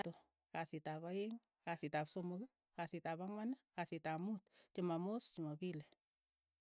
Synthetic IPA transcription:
tʊ | kasitapaeŋ | kasitapsomʊk | kasitapaŋwanakasitamutt͡ʃɪmamost͡ʃimapile

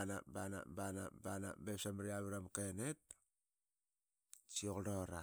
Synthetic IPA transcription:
na̰bana̰bana̰bana̰bepsamɾiaβiɾamkenet̚ | t͡ʃiokdoɾa

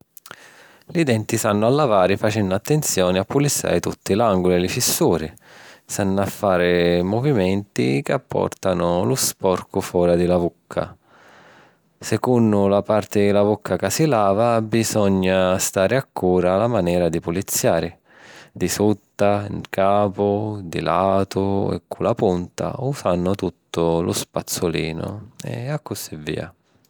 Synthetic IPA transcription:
lid̪ɛnt̪isanːʊalːavaːɾɪfat͡ʃɛnːʊat̪ːent̪sjɔːnɪapːulit̪sːa̰ːɾɪt̪ut̪ːilaŋɡʊliɛlɪfisːuːɾisanːʊafːaːɾɪmɔvimɛnt̪ḭkapːɔ̰rt̪anʊlʊspɔrkʊfɔːɾad̪ilavukʰːa̰ | sɛkunːʊlapart̪ɪlavukːakasilaːvabizɔɲːast̪aːɾɪakːuːɾalamanɛːɾad̪ipulit̪sːjaːɾɪ | d̪isut̪ːainkʰaːpʊd̪ilaːt̪ʊɛ̰kʰːulapunt̪a̰usanːʊt̪ut̪ːʊlʊspat̪sːʊliːnʊ̰ɛ̰akːʊsivːḭːa̰

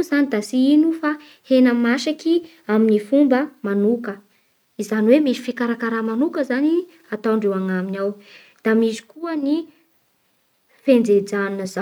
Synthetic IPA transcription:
zanid̪asiinufa | henəmaʃaki | aminifumbəmanukə | izaniwemisi̥fikaɾakaɾamanukəzani | at̪aɳɖ͡ʐewaŋaminaw | d̪̥amisi̥kuəni | fend͡zed͡zanunəza

